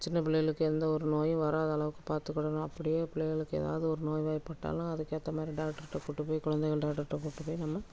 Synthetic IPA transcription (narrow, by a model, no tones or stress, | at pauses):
t͡ʃɪnːɐpɪɭɐjɐɭɯkːɯɛnd̪ɐɔɾɯnoːjɯ̃ʋɐɾaːðɐɐɭɐʋɯkːɯ̥paːɾt̪ɯkːɐɽɐnʊ̃ɐpːɐɽɪjeːpɪɭɐjɪlɯkːɯɛ̰ːða̰ːʋɯðɯɔɾɯnoːjʋaːjpːɐʈːa̰ːlʊ̃ɐðɯkːeɐt̪ːɐmaːd̪ɾiɖaːk̚ʈːɐɾɪʈːɐkuːʈːɯpːoːjikʊɻɐnd̪ɛɪɣɐɭɖaːkʈːɐɾʈːɐkuːʈːɯpːoːjinɐmːɐ